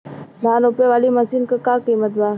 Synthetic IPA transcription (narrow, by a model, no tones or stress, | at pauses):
d̪ʱaːnʊpeʋaːlimɐsiːnkakãːkiːmət̪baː